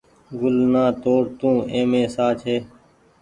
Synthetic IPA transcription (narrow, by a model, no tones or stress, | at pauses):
ɡʊlnãːt̪oːɽt̪ũːẽːmẽːsaːt͡ʃʰeː